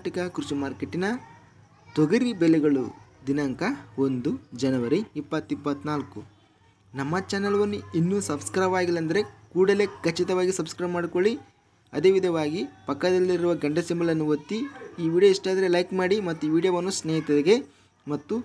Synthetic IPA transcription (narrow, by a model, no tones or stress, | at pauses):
ʈikɐkɾut͡ʃimaːɾkeʈːinɐ | t̪ɔɡɐɾibelɛɡɐɭṵd̪inɐŋkɐo̞nd̪ud͡ʒɐnɐʋɐɾeipːɐt̪ːipːɐt̪ːnaːlkːu | nɐmːɐt͡ʃaːnɐlɐʋɐnːuinːusɐbskɾɐjʋaːɡilːɐɐnd̪ɐɾe̞kuːɽɐle̞ːkɐt͡ʃːit̪ɐʋaːɡisɐbskɾɐjbmaːɽiko̞ɭi | ɐ̰d̪e̞ːʋid̪ʱɐʋaːɡipɐkːɐd̪ɐlːiɾuʋɐɡɐɳɖɐsimbɐlɐnːuʋɐt̪ːiiːʋiːɽijoiʂʈaːd̪ɐɾelɐjkmaːɽimɐt̪ːuʋiːɽijɐʋɐnːusneːɦit̪ɐd̪eɡe̞ | mɐt̪ːu